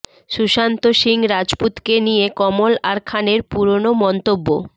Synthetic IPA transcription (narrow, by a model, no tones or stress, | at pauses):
ʃuʃant̪oʃiŋɾad͡ʑput̪kenijekɔmolaɾkʰaneɾpuɾonomɔnt̪obːo̰